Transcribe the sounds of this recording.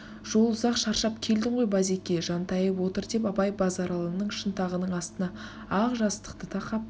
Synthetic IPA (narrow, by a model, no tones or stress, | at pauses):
ʒ̥o̞lˠʊzɑqʃɑɾʃɑp̚kʲʰe̞ld̪ɪɴʁo̞jbɑze̞kʲe̞ʒɑnt̪ɑjəpwo̞t̪əɾd̪e̞p̬ɑpɑjbɑzɑɾɑlˠənəɴʃənt̪ɑʁənəɴɑst̪ənɑ | ɑʁʒɑst̪ə̥qt̪ət̪ʰɑqɑp̚